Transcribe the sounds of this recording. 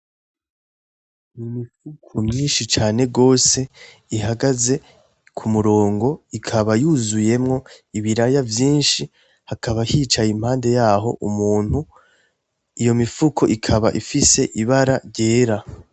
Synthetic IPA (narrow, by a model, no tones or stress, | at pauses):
mimifukʰomɲiːnʃit͡ʃaːne̞ɡo̞ːse̞ | iɦaɡaze̞ | kʰumuɾo̞ːŋɡo̞ikʰaβajuzuje̞mŋo̞iβiɾajavjiːnʃi | hakaβahit͡ʃajimhaːnde̞jaːɦo̞̰ʔumuːn̥hu | ijo̞mifukʰoʔikʰaβaʔifise̞ʔiβaɾaɾɟe̞ːɾa